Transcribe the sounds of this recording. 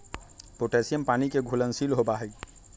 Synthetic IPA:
poʈesijəmpanikeɡʱulənsilɦobaɦɛ

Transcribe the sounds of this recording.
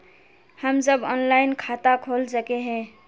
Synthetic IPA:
həmd͡ʒəbɔnlaɪnkʰat̪akʰolsəkeɦɛ̃

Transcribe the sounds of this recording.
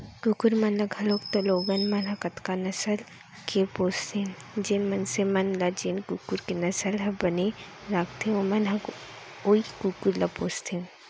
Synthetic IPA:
kukuɾmɐnlɐɡʱɐloːkt̪oloːɡɐnmɐnɦɐkɐt̪kanɐsəl | kepoːst̪ʰẽd͡ʒenmɐnsemɐnlad͡ʒenkuːkuɾkenɐsəlɦɐbɐne | ɾakʰt̪ʰeomɐnɦɐk | oːikuːkuɾlapoːst̪ʰẽ

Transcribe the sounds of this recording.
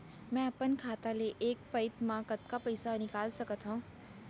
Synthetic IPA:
mɛ̃ːɐpənkʰaːt̪aleʔeːk̚pɐɪt̪mãkɐt̪̚kapɐɪsanɪkaːlsɐkət̪ɦõː

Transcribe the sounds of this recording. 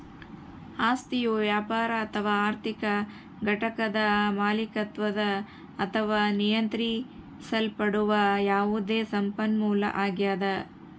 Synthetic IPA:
aːst̪ijuʋjaːpaːɾɐːt̪ʰɐʋaːaːɾt̪ʰikɐ | ɡʱɐʈɐkɐd̪ɐmaːlikɐt̪ʋɐd̪ɐː | t̪ʰɐʋaːnijɐnt̪ɾi | sɐlpɐɽuʋɐjaːʋud̪eːsɐmpɐnmuːlɐ̰ʔaːɡjaːd̪ɐ

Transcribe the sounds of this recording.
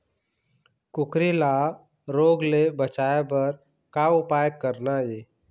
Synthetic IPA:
kʊkɾila | ɾoːɡlebət͡ʃaebəɾ | kaʊpajəkːəɾnajeː

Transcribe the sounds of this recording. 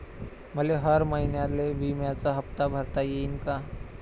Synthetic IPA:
məleɦəɾməɦinjaleʋimjat͡saɦəpt̪abʱəɾt̪ajeinka

